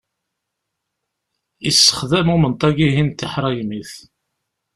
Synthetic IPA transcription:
isːə̥χðæmumənt̪ˤːɑɡiɦint̪ːiħɾˤɑjmiθ

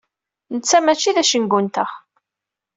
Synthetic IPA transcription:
nət͡sːæmæt͡ʃːiðæʃənɡʷunt̪əχ

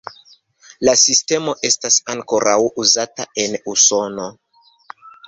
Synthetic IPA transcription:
lasiste̞mo̞ʔe̞stasaŋko̞ɾʔawuzatae̞nuso̞no̞

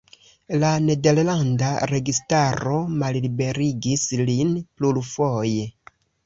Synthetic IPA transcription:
lane̞de̞ɾlandaɾe̞ɡistaɾo̞mallibe̞ɾiɡislinpluɾfoje

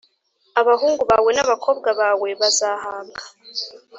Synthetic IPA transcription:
aβaɦuːŋɡuβaːwe̞naβakʰo̞ːb̚ɡaβaːwe̞βazaːhaːŋɡḁ

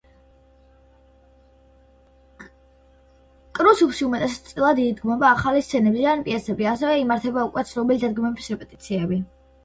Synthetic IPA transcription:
kʼɾusupʃiumɛt̪ʼɛsḁt̪t̪sʼilˠad̪iːd̪ɡmɔbaːχalist̪sʰɛnɛbzianpʼiɛsɛbiasɛvɛimaɾt̪ʰɛbaukʼwɛt̪sʰlɔbilid̪ad̪̚ɡmɛbisɾɛpʼɛt̪ʼit̪sʰiɛbi

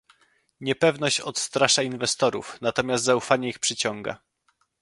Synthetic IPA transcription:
ɲɛpɛvnɔɕt͡ɕɔt̪st̪ɾaʂainvɛst̪ɔɾṵfnat̪ɔmʲjast̪zaufaɲɛixpʂɘt͡ɕɔŋɡa̰

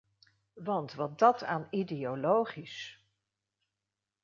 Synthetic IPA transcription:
ʋɑntʋɑt̚dɑtʰaːnidejolowχis

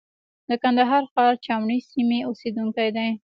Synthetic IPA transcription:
d̪əkand̪aɦɑɾxɑɾt͡ʃɑmɳisimeosed̪uŋkajd̪aj

